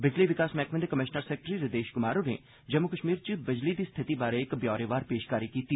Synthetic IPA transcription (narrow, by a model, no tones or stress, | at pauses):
bɪd͡ʒliːʋɪkaːsmɛːkʰmend̪ekəmɪʃnəɾsɛːk̚ʈɾiːɾɪd̪eːʃkʊmaːɾonḛː | d͡ʒəmʊkəʃmiːɾt͡ʃbɪd͡ʒliːd̪iːst̪ʰɪt̪iːbaːɾeɪkbjɔːɾeːʋaːɾpeːʃkaːɾikiːt̪iː